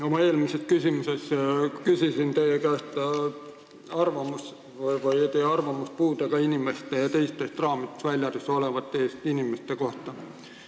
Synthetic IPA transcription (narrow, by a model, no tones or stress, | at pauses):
o̞mɑe̞ːlmisest̪̚kysʲimuse̞skysisint̪e̞jekæːst̪ɑ | ɑrvɑmus | vvɑjt̪ejɑrvɑmuspuːd̪ɑkɑinʲime̞st̪ejɑt̪e̞jst̪ˑest̪rɑːmit̪ːˑe̥svælʲjɑd̪eso̞levɑt̪ːeːst̪inʲimest̪eko̞ht̪ɑ